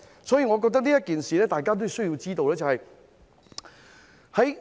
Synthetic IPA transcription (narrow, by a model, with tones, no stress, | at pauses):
sɔː˨˥jiː˧ŋɔː˨˧k̬ɔː˧k̚t̪ɐ˥k̚niː˥jɐ˥t̚kːiː˨nsiː˨˩lɛː˥t̪aː˨jk̬aː˥t̪o˥jsɵ˥jiː˨˧wt͡siː˥t̪o˧wlɛː˥˩t͡sɐ˨hɐ˨j | hɐ˨˥j